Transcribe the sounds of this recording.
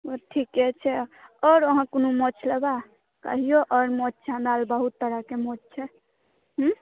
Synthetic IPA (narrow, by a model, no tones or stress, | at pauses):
əʈʰikɛt͡ʃʰɛɔɾəɦãkonumɔt͡ʃʰleba | kə̰ɦijoʔɔɾmɔt͡ʃt͡ʃʰãd̪albəɦut̪ːəɾəkemɔt͡ʃt͡ʃʰɛ | ɦ̩